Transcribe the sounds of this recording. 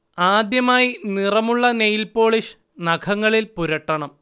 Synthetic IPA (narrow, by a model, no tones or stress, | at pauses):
aːd̪jɐmaːjinirɐmuɭːɐnejilpo̞ːɭiʂ | nɐkʰɐŋːɐɭilpuɾɐʈːɐɳɐm